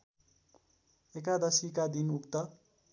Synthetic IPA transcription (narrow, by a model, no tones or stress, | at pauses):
ekad̪ʌsikad̪inukt̪ʌ